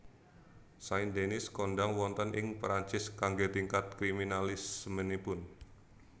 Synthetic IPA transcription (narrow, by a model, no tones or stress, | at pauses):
saind̪enɪskɔndaŋwɔnt̪ənʔɪŋpɾant͡ʃɪskaŋɡet̪iŋkat̪̚kɾiminalɪsmənipʊn